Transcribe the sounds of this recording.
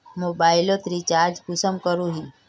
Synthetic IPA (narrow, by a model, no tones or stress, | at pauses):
moːbailot̪ɾit͡ʃaɾd͡ʒkusəmkəɾuɦi